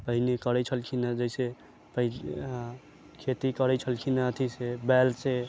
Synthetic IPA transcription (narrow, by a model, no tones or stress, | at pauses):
pəɦinekəɾɛt͡ʃʰəlkʰinad͡ʒəɪse | pəɦi | kʰet̪ikəɾɛt͡ʃʰəlkʰinaət̪ʰisebɛlse